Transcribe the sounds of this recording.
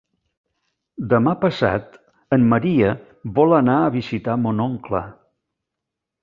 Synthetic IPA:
d̪əmapəsa̰t̪ | əmːəɾiə | βɔlənaəβizit̪amonoŋklə̰

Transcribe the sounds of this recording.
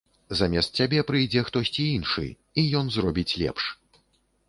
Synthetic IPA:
zamʲɛst̪̚ːʲabʲɛpɾɨjd͡zʲɛxt̪ɔsʲt͡sʲiinʂɨ̰ | ijɔnzrɔbʲit͡sʲlʲɛ̰pʂ

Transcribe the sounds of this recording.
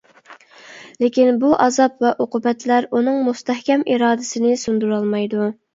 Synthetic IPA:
lekʲinbuʔɑzɑpvɛʔoqʰʊbɛt̪ʰlæɾunɨŋmust̪ɛhkʲɛmiɾɑːd̪ɪsɪnɪsund̪uɾɑlˠmɑjd̪u

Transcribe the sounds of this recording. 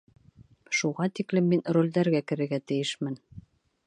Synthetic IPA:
ʃuʁɑt̪iklɘmːinrolʲd̪æɾɡækɘ̆ɾɘ̆ɡæt̪ɘ̆jɘʃmɘn

